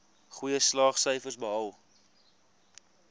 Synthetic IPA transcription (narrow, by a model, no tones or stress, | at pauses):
χujəslɑːχsœjfərsbəɐw